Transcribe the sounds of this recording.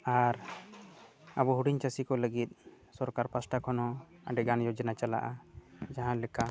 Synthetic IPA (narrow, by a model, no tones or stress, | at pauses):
aɾ | abɔɦuɽiɲt͡ʃasikɔləɡit̪̚ˀ | sɔɾkaɾpasʈakʰɔnɔaɖɛɡanjɔd͡ʒnat͡ʃala̰ʔad͡ʒaɦãlɛka